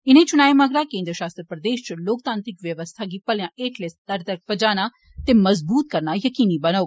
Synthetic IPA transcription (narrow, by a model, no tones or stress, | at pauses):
ɪnẽːt͡ʃʊnaːemaːɡɾaːkẽːnd̪ɾəʃaːst̪ɾəpɾəd̪eːʃt͡ʃloːk̚t̪ãːnt̪ɾɪkʋjəʋəst̪ʰaːɡiːpɐljãːʔeːʈlesd̪əɾt̪əɾk̚pəd͡ʒaːnaː | t̪eməzbuːt̪̚kəɾnaːjəkiːniːbənao